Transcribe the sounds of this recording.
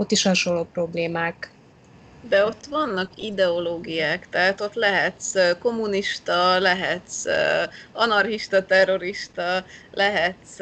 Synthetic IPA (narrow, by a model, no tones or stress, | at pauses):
ot̪ːiʃhɒʃo̞lːoːpro̞bleːmaːk | d̪ɛo̞t̪ːʋɒnːɒkid̪ɛo̞loːɡijaːkt̪ɛɦat̪o̞t̪lɛɦɛt̪sko̞mːuniʃt̪ɒlɛɦɛt̪s | ɒnɒrhiʃt̪ɒt̪ɛrːo̞ɾiʃt̪ɒlɛɦɛt̪s